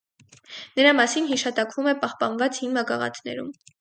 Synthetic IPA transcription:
nəɾɑmɑsinɦiʃɑt̪ɑkvumɛpɑhpɑnvɑt͡shinːɑkɑʁɑ̰t̪ʰnɛ̰ɾum

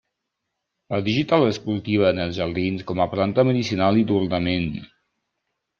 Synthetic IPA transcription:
əðiʒit̪alˠəspuɾt̪iβ̞əːnəlˠzʒəɾðinskɔməplant̪əməðisinalˠid̪uɾnəmen

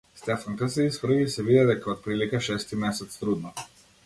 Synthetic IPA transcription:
st̪ɛfaŋkasɛisfr̩visɛvid̪ɛd̪ɛkaot̪̚pɾilikaʃɛst̪imɛsɛt̪st̪ɾud̪na

